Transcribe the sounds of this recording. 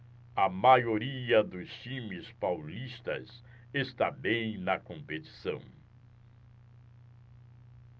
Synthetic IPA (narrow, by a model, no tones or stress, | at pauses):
ɐmajoɾiɐd̪ʊst͡ʃĩmɪspawlist̪ɐ̰z | est̪abẽj̃nɐkõmpet͡ʃi̥sɐ̰̃w̃